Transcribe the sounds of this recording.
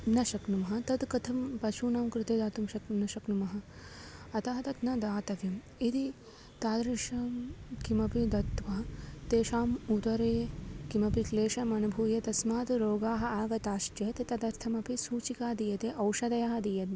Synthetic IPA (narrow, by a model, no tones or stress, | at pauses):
nɐʃɐknumɐɦɐ̆t̪ɐt̪kɐt̪ʰɐmpɐʃʰuːnaːmkɾut̪eːd̪aːt̪umʃɐknɐʃɐknumɐɦɐ̆ | ɐt̪ɐɦɐt̪ɐt̪nɐd̪aːt̪ɐʋjɐm | id̪i | t̪aːd̪ɾɐʃɐkimɐpid̪ɐt̪ʋaːt̪eːʃaːmut̪ɐɾeːkimɐpikleːʃɐmɐnubʱuːjɐt̪ɐsmaːt̪ɾoːɡaːɦɐ̆aːɡɐt̪aːʃd͡ʒɐt̪et̪ɐd̪ɐɾt̪ʰɐmɐpisuːt͡ʃikaːd̪ijɐt̪eʔɐwʃɐd̪ɐjaːɦɐd̪ijɐt̪n